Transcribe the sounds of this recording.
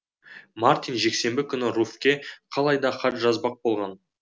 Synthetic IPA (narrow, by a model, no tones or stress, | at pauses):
mart̪ijnʒe̞kse̞mbɪkʲʰʏnɪɾufkʲe̞qʰɑlˠɑjd̪ɑχɑt̪ʒɑzbɑq̚bo̞lˠʁɑn